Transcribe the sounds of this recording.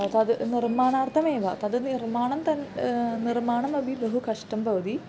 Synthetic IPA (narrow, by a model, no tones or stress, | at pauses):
at̪ɐðɨnirmaːɳaːrt̪ʰɐmeːʋaːt̪ɐðɨnirmaːɳɐmt̪ɐnnirmaːɳɐmɐbʱibɐɦukɐʂʈɐmbɐʋɐd̪i